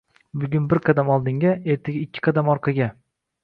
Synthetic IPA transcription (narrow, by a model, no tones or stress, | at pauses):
bʊɡʲʊnbɪɾqʰɑd̪amɒlˠd̪ɪŋɡʲae̞ɾt̪ʰaɡʲaɪkʲʰːɪ̥qʰɑd̪amɒɾqʰɑɡʲa